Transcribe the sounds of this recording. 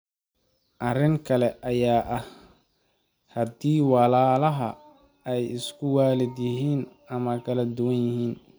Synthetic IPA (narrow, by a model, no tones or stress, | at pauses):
ʔɐrɪŋkʰɐlɛʔɐjaːʔɐh | hɐd̪iːwɑlaːlɐɦɐ̰ | ɛjɪskʰʊwaːlɪd̪jɪɦiːn | ɐmɐkʰɐlɐd̪ʊwɐnjɪɦiːn